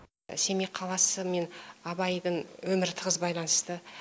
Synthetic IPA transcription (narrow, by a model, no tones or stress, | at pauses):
se̞meqʰɑlˠɑsəme̞nɑbɑjd̪əɴwɵmɪɾt̪ʰəʁəzbɑjlˠɑnəst̪ə